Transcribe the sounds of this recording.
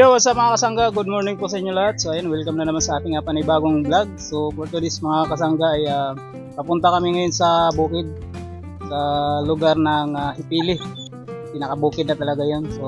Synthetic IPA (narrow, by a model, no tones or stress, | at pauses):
jowasɐmɐŋakɐsɐŋɡaɡʊd̪̚moɹnɪŋposɐʔɪɲːolɐhat̪̚soʔɐjonwɪlkɐmnɐnɐmansɐʔaːt̪ɪnŋapɐnɪbaːɡoŋblaɡ̚so̞poɾt̪ʊd̪ɪsmɐŋakɐsaŋɡaʔɐja | pɐpʊnt̪ɐkɐmɪŋɐjonsɐbuːkɪd̪̚ | sɐlʊɡaɾnɐŋahɪpiːlɪ | pɪnɐkɐbuːkɪd̪̚nɐt̪ɐlɐɡajonso